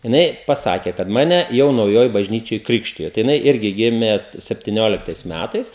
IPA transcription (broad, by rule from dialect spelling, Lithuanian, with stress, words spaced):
jɪˈnɐɪ pɐˈsɑːkʲeː kɐt ˈmɑːnʲɛ ˈjɛʊ nɐʊˈjoːj bɐʒʲˈnʲiːt͡ʃʲoːj ˈkrʲɪkʃʲtʲɪjoː tɐɪ jɪˈnɐɪ ˈɪrʲɡʲɪ ˈɡʲɪmʲeː sʲɛpʲtʲɪˈnʲoːlʲɪktɐɪs ˈmʲætɐɪs